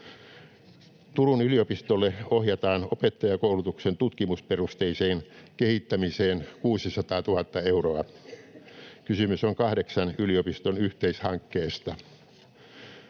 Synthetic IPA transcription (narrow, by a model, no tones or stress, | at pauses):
t̪urunyliopist̪olːeohjɑt̪ɑːnopet̪ːɑjɑkoulut̪uksent̪ut̪kimusperust̪eiseːnkehit̪ːæmiseːnkuːsisɑt̪ɑːt̪uhɑt̪ːɑeuroɑ | kysymysoŋkɑhdeksɑnyliopist̪onyht̪eishɑŋkːeːst̪ɑ